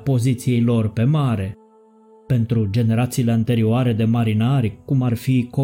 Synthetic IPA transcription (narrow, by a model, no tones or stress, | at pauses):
po̞zit̪sijejlo̞rpe̞maɾe̞ | pe̞nt̪ɾud͡ʒe̞ne̞ɾat̪siːle̞ant̪e̞ɾioaɾe̞d̪e̞maɾinaɾʲkumarfiko